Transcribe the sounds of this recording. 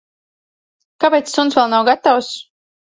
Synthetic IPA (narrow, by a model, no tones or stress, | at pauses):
kapɛjt̪sːunsvɛlˠnawɡat̪aws